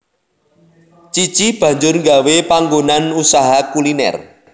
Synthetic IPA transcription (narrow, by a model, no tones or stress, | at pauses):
t͡ʃit͡ʃib̥ä̤ɲd͡ʒʊrŋɡawepaŋɡonanusaɦakulinɛ̰r